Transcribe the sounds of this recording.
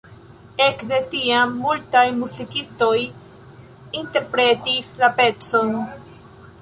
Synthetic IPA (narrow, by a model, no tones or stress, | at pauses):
e̞kde̞tiamːultajmuzikisto̞j | inte̞ɾpɾe̞tislape̞t͡so̞n